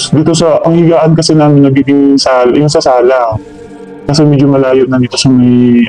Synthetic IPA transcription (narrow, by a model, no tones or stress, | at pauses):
d̪iːt̪o̞sɐʔɐŋhɪɡaːʔɐnkɐsɛnaːmɪnːɐɡiːɡɪŋsaːljʊŋsɐsaːla | kɐs̬ɛmɛd͡ʒomɐlaːjoʔnɐd̪iːt̪o̞sɐmɐj